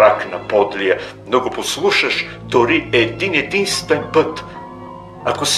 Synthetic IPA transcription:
aknɐpɔd̪lijə | noɡoposlˠuʃəʃ | d̪̥oɾiɛːd̪inɛd̪inst̪vɛnpɤt̪ | akos

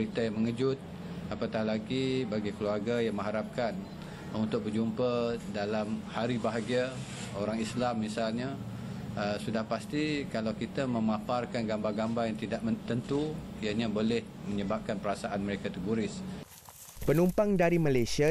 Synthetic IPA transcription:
it̪ajaŋməŋəd͡ʒʊt̪̚ | apat̪ahlaɡibaɡikəluarɡajaŋmə̃ŋɦaɾap̚kan | unt̪ʊk̚bəd͡ʒumpədalamhaɾibaɦaɡia | oɾaŋislamːisalɲa | əsudahpast̪ikalawkit̪amə̃maparkanɡambaɡambajaŋt̪idaʔmət̪ənt̪uijaɲãbolɪhmə̃ɲəbap̚kanpəɾasaʔanməɾekat̪əɡoɾɪs | pənumpaŋdaɾimalajsia

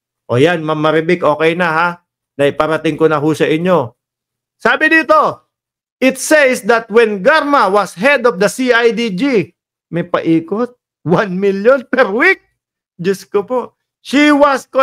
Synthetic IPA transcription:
ʔojanmɐmːɐɾɪbɪkʔo̞ːkɛjnaɦa | nɐʔɪpɐɾɐt̪ɪŋkonɐɦʊsɐʔɪɲːo̞ | saːbɪnd̪iːt̪o̞ | ʔɪt̪sejsd̪ɐt̪̚wɛnɡaɾmawɐsɦɛd̪ɔfd̪ɐsiajd̪id͡ʒi | mɛpɐʔiːkot̪̚ | wanmiljonpɛɾwik̚ | d͡ʒɐskopo | ʃiwɐsko

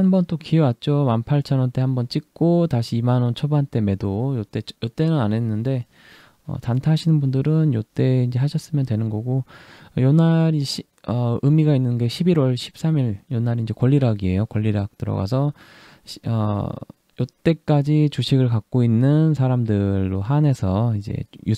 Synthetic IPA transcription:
hambʌnt͈okiewat̚t͡ɕ͈omanpʰaɭt͡ɕʰʌnʌnt͈e̞hambʌnt͡ɕ͈ik̚k͈otaɕʰiːmanʌnt͡ɕʰʌbant͈e̞me̞dojot͈e̞jot͈e̞nɯnane̞nːɯnde̞ | ʌ̰tantʰaɦaɕʰinɯnbundɯɾɯnjot͈e̞ind͡ʑe̞ɦaɕʰʌs͈ɯmjʌndwe̞nɯnɡʌɡojʌnːaɾiɕʰi | ʌɯmiɡainːɯnɡe̞ɕʰibiɾwʌɭɕʰi̥p̚s͈amiɾjʌnːaɾiind͡ʑe̞kwʌʎːiɾaɡie̞jokwʌʎːiɾak̚t͈ɯɾʌ̰ɡa̰sʰʌ | ɕʌ̰ | jʌt͈e̞k͈ad͡ʑit͡ɕuɕʰiɡɯɭkak̚k͈oinːɯnsʰaɾamdɯɭːoɦane̞sʰʌid͡ʑe̞̰ju

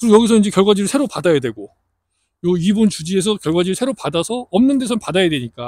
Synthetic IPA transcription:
kɯɾojʌɡisʰʌind͡ʑekjʌɭɡwad͡ʑiɾɯɭsʰeɾopadajadwe̞ɡo | joibunt͡ɕud͡ʑie̞s̬ʰʌkjʌɭɡwad͡ʑiɾɯɭsʰe̞ɾopadasʰʌʌmnɯnde̞sʰʌnpadajadwe̞ɲik͈a

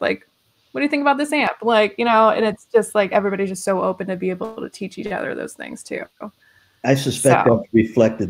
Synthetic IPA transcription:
la̰ɪk | wʌt̚d̥ɨθɪ̃ŋkəbaʊt̪̚ðɪsæ̃mplaɪkjɨɾ̃oʊɨ̰̃nɨtsd̥ʒ̥ʌst̚ˡlaɪkɛvɹibɑɾizd͡ʒʌstsoʊʔoʊpɨ̃ntɨbieɪbl̩ˠtʰɨ̰tʰit͡ʃit͡ʃʌ̰ðə̰˞ðo̰ʊz̥θɪ̰̃ŋz̥tʰʉ̰ | aɪsɨspɛkəɹɨflɛk̚tɨd̚

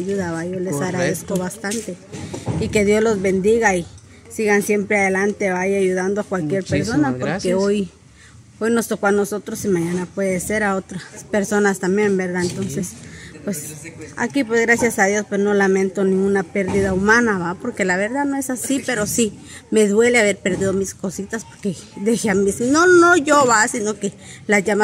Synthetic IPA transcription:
juðaβajolesaɣɾaðeskoβast̪ant̪eike̞ðjo̞zlo̞zβe̞nd̪iɣai | siɣansje̞mpɾeaðelant̪e̞βajiaʝuðand̪oakwalkje̞ɾpeɾso̞napo̞ɾkkeoj | ojno̞st̪o̞koano̞sot̪ɾosimaɲãnapwe̞ðese̞ɾaot̪ɾaspeɾso̞nast̪amje̞mbeɾðaent̪o̞nsespwesa̰kipwezɣɾasjasaðjospwesnolamẽnt̪onĩŋɡunapeɾðiðaumanaβapoɾkelaβeɾðanoesasipeɾosi | meðweleaβeɾpeɾðiðomiskosit̪aspoɾked̪exeamesinonoʝoβasinokelaʝama

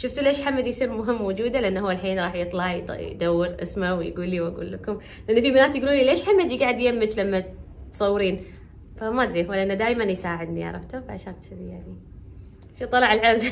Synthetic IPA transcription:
ʃʊft̪lʔeːʃħamːad̪jsˤiːɾmʊɦɪmːowd͡ʒuːd̪alɪʔanːhʊwːalħiːnɾˤɑːħjɨt̪ˤlɑʕjjd̪awːɪɾʔɪ̰smawjɡuːlːiwaɡṵːlːakʊm | lʔɪnːfibɪnaːt̪jɡluːnileːʃħamːad̪jɡaːʕɪd̪jamːɪd͡ʒlamːa | t̪sˤɑwːɾiːn | famaʔad̪ɾiːwalːʔɪnːad̪aːjmanjsaːʕɪd̪nia̰ɾˤɑ̰ft̪abaʕʃaːk̪ʃɪðijaʕni | ʃit̪ˤːɑlɑʕɪlʕɪɾz

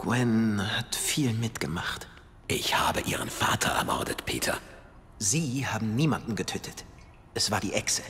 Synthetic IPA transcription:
ɡ̥wɛnhatfiːlmɪtɡ̥əmaχt | ʔɪçhaːbəʔiːʁənfa̰ːtʰɐʔɛ̰ɐmɔ̰ɐdətpʰḛːtʰɐ̰ | ziːhaːbm̩niːmandn̩ɡətʰøːtʰət | ʔɛsv̥aːɐdiːʔɛksə

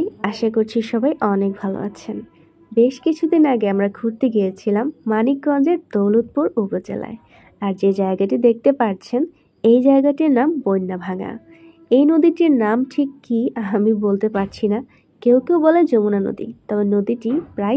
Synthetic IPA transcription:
aʃakoɾt͡ɕʰiʃɔbajʔɔnek̚bʱalo̰a̰t͡ɕʰen | beʃkit͡ɕʰud̪inaɡeamɾakʰuɾt̪iɡijet͡ɕʰilamːanik̚ɡɔnd͡ʑeɾd̪owlut̪̚puɾupot͡ɕḛla̰e | aɾd͡ʑed͡ʑaeɡaʈid̪ek̚t̪epaɾt͡ɕʰen | ejd͡ʑaeɡaʈiɾnambojnːabʱaŋa̰ | ejnod̪iʈiɾnamʈʰikːiamibolt̪epaɾt͡ɕʰina | kewkewbɔled͡ʑomunano̰d̪ḭt̪ɔbenod̪iʈipɾaj

